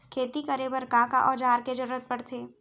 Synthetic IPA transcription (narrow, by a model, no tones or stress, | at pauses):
kʰeːt̪ikɐɾebəɾkaka̰ʔɔːd͡ʒaːɾked͡ʒɐɾuːɾət̪̚pɐɽt̪ʰeː